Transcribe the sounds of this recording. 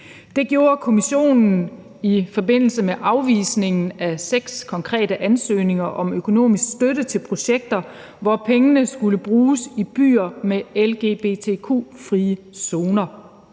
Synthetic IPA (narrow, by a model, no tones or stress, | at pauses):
d̥e̝ɡ̥jo̝ːɐkʰo̝miɕo̝̰ːnn̩ | ifɒ̽be̝n̰l̩səmeʔɑ̈ʊʋḭːsne̝ŋn̩æseɡ̥skʰɒ̽ŋkʰʁɛ̰ːdɾəʔænsø̰ːne̝ŋɐʔɒ̽møkʰo̝no̝̰ːmisɡ̥sd̥øɾət͡sʰe̝lpʰʁo̝ɕeɡ̥̚d̥ɐ | ʋɒpʰeŋənəsɡ̥uləb̥ʁuːsib̥y̰ːɐmeelɡ̥e̝̰b̥e̝t͡sʰe̝ːkʰṵːfʁiːə | so̝ːnɐ